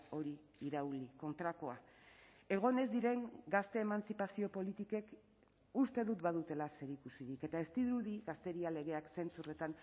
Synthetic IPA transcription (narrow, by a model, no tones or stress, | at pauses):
o̞ɾi | iɾawliko̞nt̪ɾako̞a | e̞ɣ̞o̞ne̞zd̪iɾe̞ŋɡast̪e̞ːmant͡sipasio̞po̞lit̪ike̞k | ust̪e̞ðut̪baðut̪e̞lase̞ɾikusiðike̞t̪ae̞st̪iðɾuðiɣast̪e̞ɾiale̞ɣ̞e̞akse̞nt͡sure̞t̪an